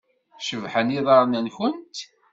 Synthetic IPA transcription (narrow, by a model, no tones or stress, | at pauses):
ʃəvħəniðˤɑɾˤnənçʊnt̪